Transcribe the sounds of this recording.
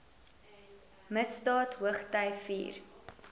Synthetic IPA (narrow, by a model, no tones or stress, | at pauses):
məsdɑːtɦuəχtɐjfḭːr